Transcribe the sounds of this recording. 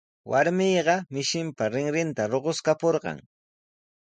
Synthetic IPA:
wʔaɾmɪːɢɑmɪʃɪmpaɾɪŋɾɪnt̪aɾoɢoskapoɾɢɑ̰ŋ

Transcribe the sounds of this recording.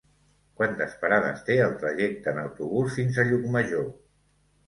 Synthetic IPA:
kwant̪əspəɾaðə̰st̪eəlˠt̪ɾəʒɛk̚t̪əːnəwt̪uβ̞usfinzəʎukməʒo

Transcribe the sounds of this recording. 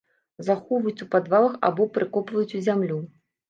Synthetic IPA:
zaxɔvɐjut͡sʲupad̪valˠɐxa̰bɔpɾɨkɔpvɐjut͡sʲuzʲamlʲu

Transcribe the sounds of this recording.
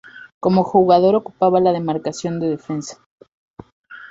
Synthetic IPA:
ko̞mo̞xuɣaðo̞ɾo̞ku̥paβalaðe̞maɾkasjo̞nd̪e̞ðe̞fe̞nsḁ

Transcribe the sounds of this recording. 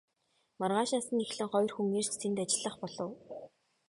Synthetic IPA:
marʁaːʃasə̆nexɮɘ̆ŋχɔjrxuŋeːr̥t͡ɕt̪ʰent̪at͡ɕɪ̆ɮə̆χpɔɮɞ̆w

